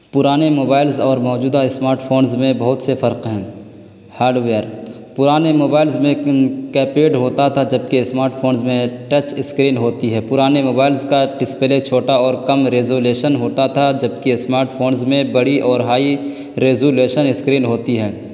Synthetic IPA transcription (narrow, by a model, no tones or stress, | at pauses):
pʊɾaːnemoːbaːɪlzɔːɾmɔːd͡ʒuːd̪aɪsmaːɾʈpʰoːnzmẽbɐɦʊt̪sefɐɾqɦɛ̃ː | haːɾɖʋejəɾ | pʊɾaːnemoːbaːɪlzmẽkɛːpeːʈɦoːt̪at̪ʰad͡ʒɐb̚kesmaːɾʈfʰoːnzmẽʈət͡ʃɪskɾiːnɦoːt̪iɦɛːpʊɾaːnemoːbaːɪlzkaʈɪspelet͡ʃʰoːʈaɔːɾkɐmɾeːzoːleːʃənɦoːt̪at̪ʰad͡ʒɐb̚keɪsmaːɾʈpʰoːnzmẽbɐɽiʔɔːɾɦaːi | ɾeːzoːleːʃənɪskɾiːnɦoːt̪iɦɛː